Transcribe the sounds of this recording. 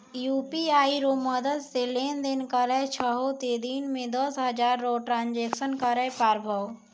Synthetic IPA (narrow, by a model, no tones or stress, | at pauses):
juːpiaːiɾomɐd̪əd̪seleːnd̪ɪnkəɾət͡ʃʰəɦot̪eːd̪iːnmẽd̪əsɦɐd͡ʒaːɾːoʈɾãːnd͡ʒeːksənkəɾəjpaːɾbʱəʋ